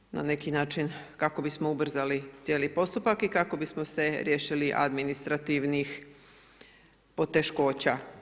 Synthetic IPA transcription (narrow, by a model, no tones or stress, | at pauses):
na̰ne̞kinaːt͡ʃinkako̞bismoubr̩zalit̪sjelipo̞st̪upakikako̞bismo̞se̞ɾjeːʃiliʔa̰d̪minist̪ɾat̪iʋnix | po̞t̪e̞ʃko̞ːt͡ɕa